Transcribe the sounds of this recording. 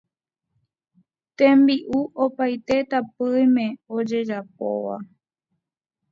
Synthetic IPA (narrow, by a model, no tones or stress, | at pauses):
t̪ẽmbiʔuʔopajt̪e̞t̪apɨjmẽ̞od͡ʒe̞d͡ʒapo̰ʋa̰